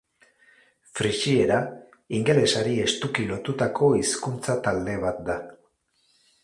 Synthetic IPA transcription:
fɾiʃie̞ɾa | iŋɡe̞le̞saɾie̞st̪ukilo̞t̪ut̪akʰo̞iskunt͡sat̪ald̪e̞β̞at̪̚d̪a

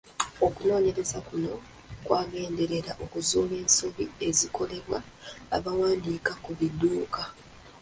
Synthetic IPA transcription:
o̞kuno̞ːɲe̞ɾe̞zakuno̞ | kwaːɡe̞ːnde̞ɾe̞ɾaʔo̞kuzuːβe̞ːnso̞βḭe̞ziko̞le̞βwa̰ː | βawaːndiːkakuβidːuːka

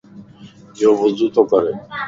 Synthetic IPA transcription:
eupozd̪ut̪okɔɾe

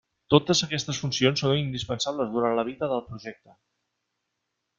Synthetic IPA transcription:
t̪ot̪əzəkɛst̪əsfunsionsːonind̪ispənsaβləzðuɾant̪ləβ̞iðəðəlˠpɾuʒɛk̚t̪ə

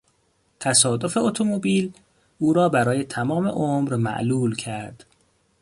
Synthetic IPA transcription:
t̪ʰæsɒːd̪o̞fe̞ot̪ʰomobiːl | uːɾɒːbæɾɒːje̞t̪ʰæmɒːme̞̰ʔomɾmæ̰ʔluːlcʰæɾd̪̥

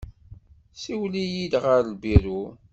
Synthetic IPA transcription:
siwlijid̪ʁəɾlbiɾu

